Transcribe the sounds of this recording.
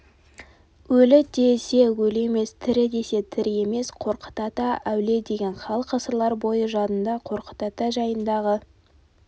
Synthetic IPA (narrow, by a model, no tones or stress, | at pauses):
wɵlɪd̪e̞se̞wɵle̞me̞st̪ʰɪɾɪd̪e̞se̞t̪ʰɪɾɪe̞me̞sqʰo̞ɾqə̥t̪ɑt̪ɑʔæwle̞d̪e̞ɡʲe̞nχɑlˠəqʰɑsəɾlˠɑɾbo̞jəʒɑnənd̪ɑqʰo̞ɾqə̥t̪ɑt̪ɑʒɑjənd̪ɑʁə